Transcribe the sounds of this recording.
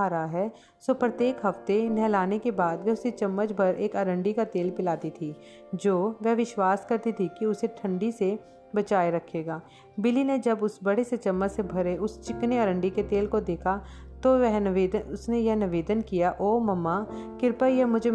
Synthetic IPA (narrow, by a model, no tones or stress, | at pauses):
aːɾaɦɛ | soːpɾɐt̪jeːkɦɐft̪enɛɦlaːnekebaːd̪ʋɛɦʊset͡ʃɐmːət͡ʃbʱɐɾʔeːkəɾə̃ɳɖikat̪eːlpɪlaːt̪it̪ʰi | d͡ʒoːʋɛɦʋɪʃwaːskɐɾt̪it̪ʰikiʊseʈʰə̃ɳɖise | bɐt͡ʃaːeɾɐkʰːeːɡaː | bɪlined͡ʒɐbʊsbɐɽeset͡ʃɐmːət͡ʃsebʱɐɾeʊst͡ʃɪkneɐɾə̃ɳɖiket̪eːlkod̪eːkʰat̪oʋɛɦnʋeːd̪əʊsnejɛɦnɪʋeːd̪ənkijaʔoːmɐmːakɪɾpəɾjɛɦmʊd͡ʒʱe